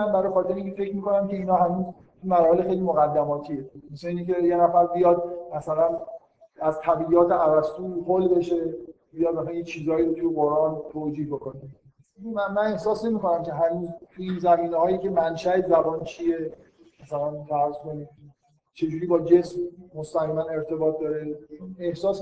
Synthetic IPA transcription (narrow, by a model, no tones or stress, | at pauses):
æmbæɾɔːjexɒːt̪eɾeiŋkʰʲcʰefe̞cʰɾmiːko̞næmce̞iːnɒːhænuːz | t̪ʰumæɾɒːhelexejliːmoɣæd̪ːæmɒːt̪ʰiemeseiːnicejenæfæɾbijɒd̪̚mæsælæn | æzt̪ʰæbijɒːt̪ʰeævæst̪uːholbe̞ʃe̞bijɒd̪mæsænjet͡ʃʰiːzɒːiɾot̪ʰujeɣoɾʔɒːnt̪ʰoːd͡ʒiːhbe̞ko̞ne | mæmæne̞hsɒːsne̞miːko̞næmcʰe̞ɦænuːzt̪ʰuinzæmiːnehɒːjice̞mænʃæe̞zæbɒːnt͡ʃʰie | mæsælænfæɾzkʰo̞niːd̪ | t͡ʃʰe̞d͡ʒuːɾiːbɒːd͡ʒe̞smːost̪æɣiːmæne̞ɾt̪ʰe̞bɒːt̪̚ʰd̪ɒːɾenehsɒːs